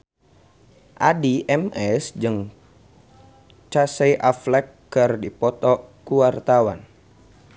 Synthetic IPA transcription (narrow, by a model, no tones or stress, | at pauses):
ʔadiʔɛmɛsd͡ʒɨŋ | t͡ʃasejʔaflɛkː | ərdipɔt̪ɔkuwart̪awa̰n